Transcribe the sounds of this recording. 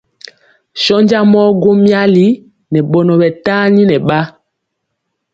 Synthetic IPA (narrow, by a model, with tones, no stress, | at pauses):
ʃɔ˦ɲd͡ʒa˦mɔ˦ɡo˦mja˦li˦ | nɛ˨ɓɔ˨nɔ˨ɓɛ˨taː˦ɲi˦nɛ˨ɓa˦